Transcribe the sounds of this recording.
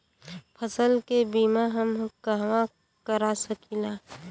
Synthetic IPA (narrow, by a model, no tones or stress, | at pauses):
pʰəsəlkebiːmaɦəmkəɦʋa | kəɾasəkilaː